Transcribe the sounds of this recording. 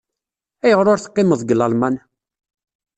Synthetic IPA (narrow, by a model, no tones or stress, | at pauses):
æjəʁɾʊɾθə̥qːɪməðˤɡəlɑlmɑn